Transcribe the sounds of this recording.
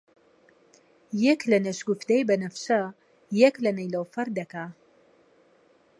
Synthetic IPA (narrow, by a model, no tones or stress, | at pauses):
jɛklɐnɐʃɡuft̪ɛjbɐnɐfʃɐ | jɛklɐnɐjlɐwfɐɾd̪ɐka